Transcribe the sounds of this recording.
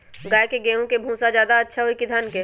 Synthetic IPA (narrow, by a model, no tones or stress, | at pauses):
ɡaːjkeɡeːũkebʱũːsad͡ʒjaːd̪aɐtːʃʰaɦoikid̪ʱanke